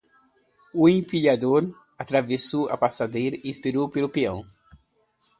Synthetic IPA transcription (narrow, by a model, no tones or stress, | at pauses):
ʊẽpiʎad̪oɾ | at̪ɾavesowa̰pasad̪ejɾɐɪĩspiɾowpelʊpiɐ̰̃w̃